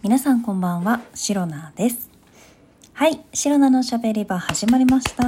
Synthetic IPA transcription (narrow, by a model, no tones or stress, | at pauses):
mʲinasãŋkõ̞mbãɰ̃βaɕiɾo̞nad̪̥e̞sɨ̥ | haiɕiɾo̞nano̞ɕabe̞ɾʲibahaʑimaɾʲimaɕi̥t̪a